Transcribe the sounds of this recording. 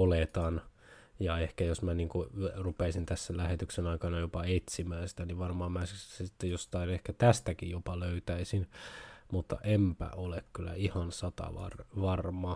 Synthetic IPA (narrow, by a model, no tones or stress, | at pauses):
olet̪ɑn | jɑehkæjosmæniːŋkurupesint̪æsːælæhet̪yksenɑikɑnɑjopɑet̪simæːnsi̥t̪æniʋʋɑrmɑːmmæssit̪ːejjost̪ɑinehkæt̪æst̪ækijjopɑløyt̪æisinmut̪ːɑ̰ʔempæ̰ʔolekkylːæ̰ihɑnsɑt̪ɑ̰ʋɑ̰rʋɑrmɑ